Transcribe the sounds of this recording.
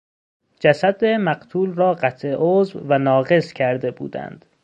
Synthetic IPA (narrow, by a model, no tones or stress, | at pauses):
d͡ʒæsæd̪emæɢt̪ʰuːlrɒːɢæt̪ʰʔeʔoːzvvænɒːɣe̞scʰæɾd̪e̞bṵːd̪æ̰nd̪̥